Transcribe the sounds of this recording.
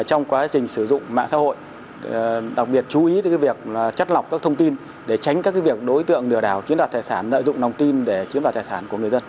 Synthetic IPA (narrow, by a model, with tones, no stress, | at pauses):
t͡ɕɔ˧wŋ͡mkwaː˨˦t͡ɕï˨˩ŋ̟sɨ˧˩zʊ̰˧˨ŋ͡mma̰ː˧˨sa̰˧˥ho̰˧˨j | ɗa˨˩k̚ɓi˨˩ət̚t͡ɕu˨˦ʔi˨˦t̪a˨˦kːvi˨˩ək̚t͡ɕa˦˥t̚la˨˩wk͡p̚kaː˦˥k̚t̪ʰə˧wŋ͡mt̪i˧n | ɗe˧˩t͡ɕa˨˦jŋ̟kaː˦˥kaː˨˦jvi˨˩ək̚ɗo˨˦jt̪ɨ̰˧˨əŋɗɨ˨˧˩əɗaː˧˩wt͡ɕi˨˦ənwa˨˩t̪ʰːjsaː˧˩nlə̰ː˧˨jzʊ̰˧˨ŋ͡mna˨˩wŋ͡mt̪i˧nɗe˧˩t͡ɕi˨˦nvaː˨˩t̪̚aː˨˩saː˧˩˨ku˧˩əŋ˨˩əzə˧n